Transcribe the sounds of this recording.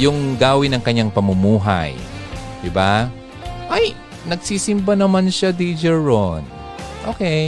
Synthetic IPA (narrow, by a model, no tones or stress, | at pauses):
jʊŋɡaːwɪnɐŋkɐɲːaŋpɐmʊmuːɦa̰jd̪̥ɪba | ʔaj | nɐɡ̚siːsɪmbanɐmanʃad̪id͡ʒɛɹon | ʔoːkɛj